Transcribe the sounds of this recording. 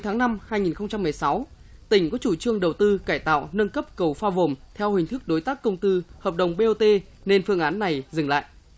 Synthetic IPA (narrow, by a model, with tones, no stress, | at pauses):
jt̪ʰaː˨˦ŋna˧mhaː˧jŋi˨˩nxə˧ŋ͡mt͡ɕa˧mːɨ˨˩əjsa˨˦wt̪ï˧˩ŋ̟kɔ˨˦t͡ɕu˧˩t͡ɕɨ˧əŋɗə˨˩wt̪ɨ˧kaː˧˩jt̪a̰ː˧˨wnə˧nkə˦˥p̚kə˨˩wfaː˧vo˨˩mt̪ʰɛ˧whï˨˩ŋ̟t̪ʰɨ˦˥k̚ɗo˨˦jt̪aː˦˥kːə˧wŋ͡mt̪ɨ˧həː˨˩p̚ɗə˨˩wŋ͡mɓe˧ʔo˧t̪e˧ | ne˧nfɨ˧əŋʔaː˨˦nːa˨˩jzɨ˨˩ŋla̰ː˧˨jʔ